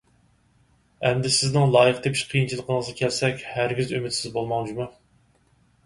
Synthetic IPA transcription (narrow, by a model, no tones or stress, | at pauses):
ɛmd̪ɪsɪznɪŋlˠɑːjəqt̪epʰiʃqʰijint͡ʃʰilˠəqʰənəʁəzɑkʲʰɛlsɛkʲhæɾɡʲizymɪt̪sɪzbolˠmɑŋd͡ʒumu